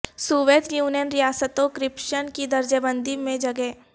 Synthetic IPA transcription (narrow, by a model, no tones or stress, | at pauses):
suːʋeːt̪juːnijənɾijaːsət̪õkɾɪpʃənkid̪ɐɾd͡ʒəbə̃nd̪ʱimẽd͡ʒɐɡɛ